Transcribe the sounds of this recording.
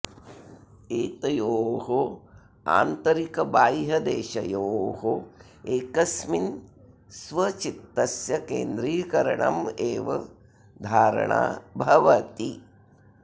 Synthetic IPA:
eːt̪ɐjoːɦo | a̰ːnt̪ɐɾikɐbaːjɦɐd̪eːʃɐ̰joːɦo | eːkɐsmin | sʋɐt͡ʃit̪ːɐsjɐkḛːnd̪ɾiːkɐɾɐɳɐ̰meːʋɐ | d̪ʱaːɾɐ̰ɳa̰ːbʱɐʋɐt̪i

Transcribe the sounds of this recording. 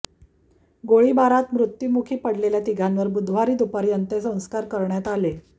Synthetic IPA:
ɡoɭiːbaɾat̪mɾut̪jumukʰiːpəɽleljat̪iɡʱanʋəɾbud̪ʱʋ̤aɾiːd̪upaɾjənt̪əsə̃w̃skaɾkəɾɳjat̪ale

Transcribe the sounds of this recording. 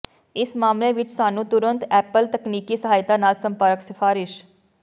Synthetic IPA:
ɪsmaːmleʋɪt͡ʃsaːnũːt̪ʊɾə̃nt̪ɛːpəlt̪əkniːkiːsəɦaːjt̪aːnaːlsə̃mpəɾəksɪfʰaːɾɪʃ

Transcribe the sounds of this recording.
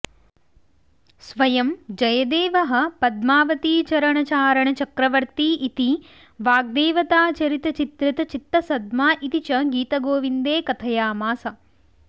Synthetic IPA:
sʋɐjɐmd͡ʒɐjɐd̪eːʋɐɦɐ̆pɐd̪maːʋɐt̪iːt͡ʃɐɾɐɳɐt͡ʃaːɾɐɳɐt͡ʃɐkɾɐʋɐɾt̪iːʔit̪i | ʋaːɡ̚d̪eːʋɐt̪aːt͡ʃɐɾit̪ɐt͡ʃit̪ɾit̪ɐt͡ʃit̪ːɐsɐd̪̚maːʔit̪it͡ʃɐɡiːt̪ɐɡoːʋind̪eːkɐt̪ʰɐjaːmaːsɐ

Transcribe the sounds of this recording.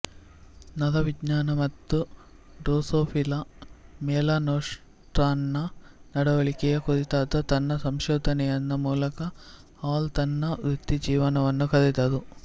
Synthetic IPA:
nɐd̪ɐʋidɲaːnɐmɐt̪ːu | ɖoːsoːpʰilɐmɛːlaːnoːʂ | ʈɾaːnːɐ | nɐɽɐʋɐɭikɛjɐkod̪it̪aːt̪ɐt̪ɐnːɐsɐmʃɔːd̪ʱɐnɛjɐnːɐmuːlɐkɐ | aːlt̪ɐnːɐʋɾut̪ːid͡ʒiːʋɐnɐʋɐnːukɐd̪ed̪ɐd̪u

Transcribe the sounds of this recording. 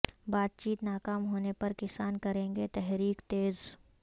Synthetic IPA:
baːt̪̚t͡ʃiːt̪naːkaːmɦoːnepɐɾkɪsaːnkɐɾẽːŋɡet̪ɛɦɾiːkt̪eːz

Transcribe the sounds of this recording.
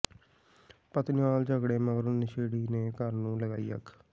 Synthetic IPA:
pət̪nɪʋaːld͡ʒəɡɽeːməɡəɾʊnnɪʃeːɽiːneːkəɾnũːləɡaːḭːə̰kʰ

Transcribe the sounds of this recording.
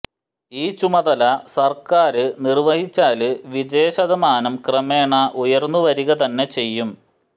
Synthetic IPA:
iːt͡ɕumɐðɐlɐsɐrkaːɾɨnirʋɐhit͡ɕːaːlɨʋid͡ʑe̞ːɕɐðɐmaːnɐmkrɐme̞ːɳɐʔujɐrnːuʋɐɾiɣɐt̪ɐnːe̞t͡ɕe̞jːum

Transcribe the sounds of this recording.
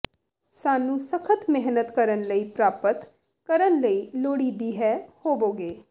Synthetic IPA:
saːnũːsəkʰət̪mɛɦnət̪kəɾənləiːpɾaːpət̪ | kəɾənləiːloːɽiːd̪iːɦɛːhoːʋoːɡeː

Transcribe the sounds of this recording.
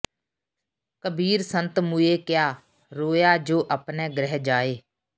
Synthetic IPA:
kəbiːɾsənt̪mueːkɪjaː | ɾoːjaːd͡ʒoːʔapnɛːɡɾɛɦd͡ʒaːeː

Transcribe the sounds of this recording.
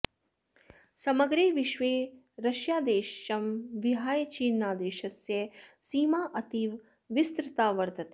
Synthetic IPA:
sɐmɐɡɾeːʋiʃʋeː | ɾɐʃjaːd̪eːʃɐmʋiɦaːjt͡ʃiːnːaːd̪eːʃɐsjɐsiːmaːʔɐt̪iʋ | ʋist̪ɾɪt̪aːʋɐɾt̪ɐt̪eː

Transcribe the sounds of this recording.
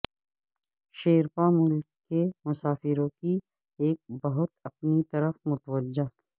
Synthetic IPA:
ʃeːɾpamʊlkːemʊsaːfɪɾõki | eːk̚bɐɦʊt̪ɐp̚nit̪ɐɾəfmʊt̪wəd͡ʒaː

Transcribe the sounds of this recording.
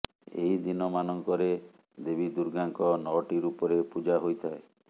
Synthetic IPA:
ḛɦid̪inɔmanɔŋkɔɾe | d̪ebid̪uɾɡaŋkɔnɔʈiɾupɔɾepud͡ʒaɦojt̪ʰae

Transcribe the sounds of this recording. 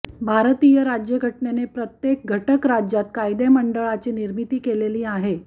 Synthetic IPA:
bʱaɾt̪ijəɾad͡ʑjəɡʱəʈnenepɾət̪jek̚ɡʱəʈəkɾad͡ʑjat̪kajd̪eməɳɖəɭat͡ɕiːniɾmit̪iːkeleliːaɦe

